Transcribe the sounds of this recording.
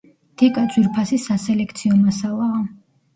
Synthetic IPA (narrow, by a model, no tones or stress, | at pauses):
t̪ʰikʼad̪zwiɾpʰasisasɛlɛkʰt̪sʰiɔmasalˠaː